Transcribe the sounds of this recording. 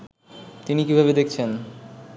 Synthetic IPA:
t̪inikibʱaβed̪ekʰt͡ɕʰen

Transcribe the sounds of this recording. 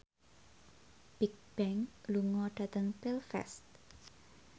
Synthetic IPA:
b̥ik̚b̥ɛŋluŋɔɖ̥ä̤t̪əŋpilfɛ̰st̪̚

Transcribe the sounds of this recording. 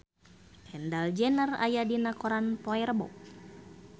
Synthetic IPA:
ɛndald͡ʒɛnəra̰jadinakoɾanpoɛrbɔ̰k̚

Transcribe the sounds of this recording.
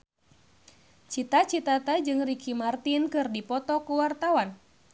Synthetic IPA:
t͡ʃit̪at͡ʃit̪at̪ad͡ʒɨŋrikʰimart̪inkɨrdipɔt̪ɔkuwart̪awan

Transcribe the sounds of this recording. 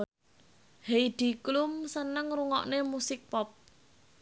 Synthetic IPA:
hejd̪̥i̤klumsənəŋɾuŋɔ̰ʔnemusɪk̚pɔp̚

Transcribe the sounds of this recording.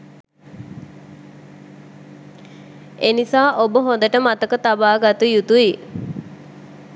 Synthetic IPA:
enisaːʔobəɦõnd̪əʈəmat̪əkət̪abaːɡat̪ujut̪ui

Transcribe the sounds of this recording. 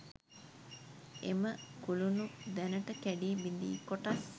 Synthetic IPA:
ḛməkulunud̪ænəʈəkæɖiːbind̪ḭːkːoʈas

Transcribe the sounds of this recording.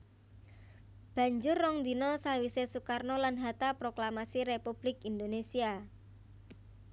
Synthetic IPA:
b̥a̤ɲd͡ʒʊrːɔŋd̪inɔsawisesukarnɔlanɦat̪apɾoklamasiɾepub̥lɪkind̪onesia

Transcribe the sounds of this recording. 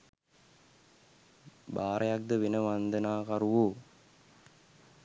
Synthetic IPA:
baːɾɐjak̚d̪əʋinəʋand̪ənaːkaɾuʋu

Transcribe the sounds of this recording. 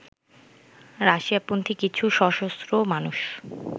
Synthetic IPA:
ɾaʃiapont̪ʰikit͡ɕʰuʃɔʃosɾomanuʃ

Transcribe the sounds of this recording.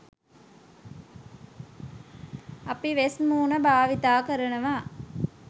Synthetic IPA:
ɐpiʋesmuːnəbʱaːʋit̪aːkəɾənəʋaː

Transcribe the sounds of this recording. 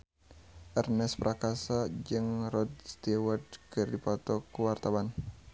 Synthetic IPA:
ʔɛrnɛspɾʔakasad͡ʒɨŋrɔd̪̚st̪iwardkɨrdipɔt̪ɔkuwart̪awan

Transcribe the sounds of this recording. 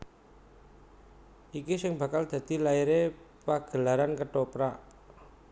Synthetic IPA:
ʔikisɪŋbä̤kald̪̥ä̤d̪̥i̤laiɾepaɡ̥əlaɾankəɖ̥opɾa

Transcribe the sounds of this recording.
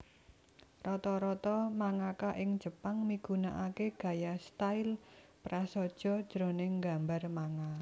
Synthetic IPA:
rɔt̪ɔɾɔt̪ɔmaŋakaʔɪŋ̥d͡ʒ̥ə̤paŋmiɡ̥unaʔakeɡ̥a̤jast̪aɪlpɾasɔd̥ʒ̥ɔ̤d̥ʒ̥ɾonɪŋɡa̤mbarmaŋa

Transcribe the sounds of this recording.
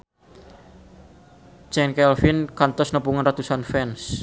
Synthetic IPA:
t͡ʃɛnkɛlfinkant̪ɔsnəpuŋanrat̪usanfɛns

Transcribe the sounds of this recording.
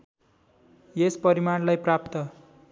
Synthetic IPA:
jespʌɾimarlajprapt̪ʌ

